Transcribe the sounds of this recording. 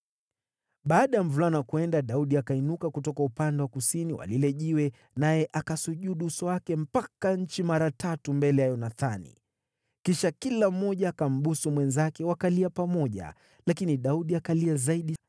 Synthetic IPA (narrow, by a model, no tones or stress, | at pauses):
ɓaːɗajam̩vulanakuɛndaɗauɗiakainukakutɔkaupandɛwakusiniwa̰lilɛʄiwɛ | najɛʔakasuʄuɗuusɔwakɛm̩pakaɲ̩t͡ʃimaɾatatumbɛlɛjajɔnaθanḭ | kiʃakilam̩ːɔʄaːkam̩ɓusumwɛnzakɛwakaliapamɔʄa̰ | lakiniɗauɗiakaliazaiɗi